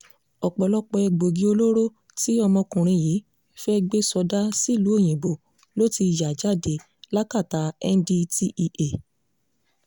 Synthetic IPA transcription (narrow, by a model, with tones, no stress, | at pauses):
ɔ˨k͡pɔ˨lɔ˦k͡pɔ˧ɛ˧ɡ͡bo˨ɡi˨˦o˧lo˦ɾo˦ | ti˦ɔ˧mɔ̃˧kũ˨ɾ̃ĩ˧ji˨˦ | fɛ˦ɡ͡be˦sɔ˧da˦si˦˨lu˨˦o˦˨j̃ĩ˨bo˨ | lo˦ti˧i˧˨ja˨d͡ʒa˦˨de˨˦ | la˦ka˦˨ta˨˦ɛ˧n˦di˧ti˧ʔi˧ʔe˨